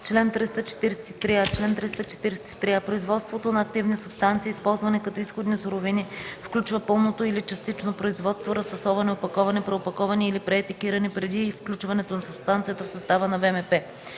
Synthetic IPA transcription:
t͡ʃlɛnt̪ɾist̪ət͡ʃɛ̥t̪iɾɛsɛ̥t̪i̥t̪ɾiat͡ʃlɛnt̪ɾist̪ət͡ʃɛ̥t̪iɾɛsɛ̥t̪i̥t̪ɾiapɾoizvɔt̪st̪vot̪onɐːk̚t̪ivnisʊpst̪ant̪siːispɔlˠzvɐnɛkɐt̪ɔisxod̪nisʊɾovinifklʲut͡ʃvəpɤlˠnot̪oilit͡ʃɐst̪it͡ʃnopɾoizvɔt̪st̪voɾɐspɐsɔvɐnɛopɐkɔvɐnɛpɾɛopɐkɔvɐniilipɾɛːt̪ɛkiɾɐnɛpɾɛd̪ifklʲut͡ʃvɐnɛt̪onɐsʊpst̪ant̪sijət̪əfsɐst̪avənɐvɛmɛpɛ

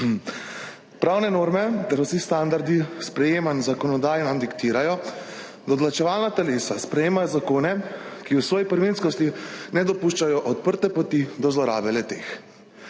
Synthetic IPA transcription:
pɾawnɛnoːɾmɛt̪ɛɾwsist̪and̪aɾd̪ispɾɛjeːmanzakɔnɔd̪aːjnamd̪ikt̪iːɾajɔ | d̪ɔd̪lat͡ʃɛʋaːlnat̪ɛleːsaspɾɛjeːmajɔzakoːnɛkiwsʋɔːjipəɾʋinskɔst̪inɛd̪ɔpuʃt͡ʃajɔʔɔt̪̚pəɾt̪ɛpɔt̪id̪ɔzlɔɾa̰ːbɛlɛt̪eːx

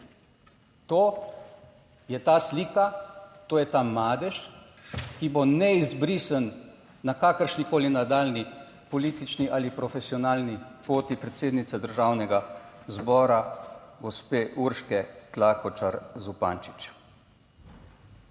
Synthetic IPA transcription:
t̪oː | jɛt̪aːsliːkat̪oːjɛt̪aːmaːd̪ɛʃ | kibonɛizbɾiːsənː | akaːkəɾʃnikoːlinad̪aːlni | pɔliːt̪it͡ʃniʔaːlipɾɔfɛsiɔnaːlnipoːt̪ipɾɛt̪seːd̪nit̪sɛd̪əɾʒaːwnɛɡa | zbɔːɾaɡɔspeːʔuɾʃkɛklakɔt͡ʃaɾzupa̰ːnt͡ʃi̥t͡ʃ

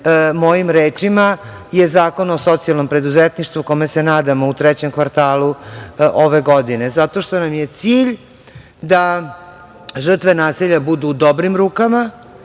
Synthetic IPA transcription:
mo̞jimɾeːt͡ʂima | je̞zaːko̞noso̞t̪sialˠnompɾe̞d̪uzet̪niʃt̪vʋuko̞mesenaːd̪amo̞ut̪ɾɛt͡ɕe̞mkʋaɾt̪aːlu | oʋe̞ɡo̞d̪ine̞zat̪o̞ʃt̪o̞namjet̪siːʎ | d̪a | ʒr̩t̪ʋe̞naːsiʎabud̪uːd̪o̞bɾimɾuːkama

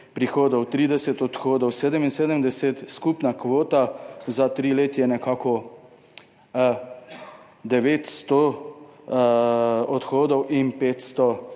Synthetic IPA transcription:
pɾixoːd̪ɔwt̪ɾiːd̪ɛsɛt̪ɔt̪xoːd̪ɔwseːd̪əminseːd̪əmd̪ɛset̪skupnakʋoːt̪azat̪ɾileːt̪jɛnɛkaːkɔ | d̪ɛʋeːt̪st̪ɔ | ɔt̪xoːd̪ɔwʔinpeːt̪st̪ɔ

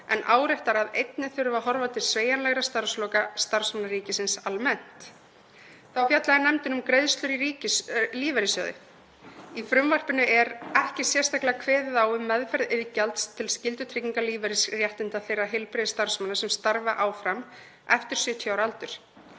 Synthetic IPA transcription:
ɛ̰nʔa̰ːwɾɛht̪aɾaðejt̪nɪθʏɾʏvaɦɔɾvat̪ʰɪlsveːjanlɛɣɾast̪aɾ̥slɔːkast̪aɾ̥smanaɾiːcɪsɪnsalmɛn̥t̪ | θawfjat̪laðɪnɛmt̪ʏnʏmkɾejðst̪lʏɾiɾiːcɪliːvɛɾɪsjœ̰ːðɪ̰ | ifɾʏmvar̥pɪnʏʔɛɾɛhcɪsjɛr̥st̪aklakʰvɛːðɪðaːwʏmɛðfɛɾðɪðcalt̪st̪ʰɪlscɪlt̪ʏt̪ʰɾiciŋkaliːvɛɾɪsrjɛht̪ɪnt̪aθejrːaɦɪlpɾeðɪst̪aɾ̥smanasɛmst̪aɾvaʔaːwfɾam | ɛft̪ɪɾ̥sʏt̪ʰjawɾalt̪ʏɾ̥

